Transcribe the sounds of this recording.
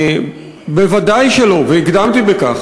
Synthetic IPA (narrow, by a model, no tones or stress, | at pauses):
bevad̪ajʃelo̞veiɡd̪amt̪ibekaχ